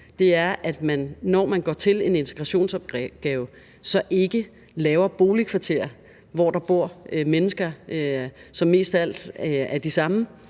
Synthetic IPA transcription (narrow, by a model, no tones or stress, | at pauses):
d̥e̝æɐʔæd̥mænːɒ̰mænɡ̥ɒːt͡sʰe̝le̝ne̝nt͡sʰeɡ̥ʁɑ̈ɕo̝̰ːnsɒb̥ɡ̥ɛːʊ | sɒ̽ʔe̝ɡ̥ə | lɛːʊɐb̥o̝ːlikʰʋɑ̈t͡sʰe̝̰ɐ̰ | ʋɒ̰d̥ɑ̈b̥o̝ɐ̰menəsɡ̥ɐ | sɒ̽mːe̝̰ːsd̥æl̰d̥æɐd̥isɑ̈mə